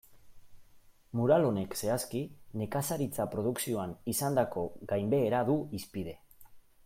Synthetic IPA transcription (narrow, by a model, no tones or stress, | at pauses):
muɾalo̞ne̞kse̞askine̞kasaɾit͡sapɾo̞ð̞uksio̞anisand̪ako̞ɣajmbe̞ːɾaðuispið̞e̞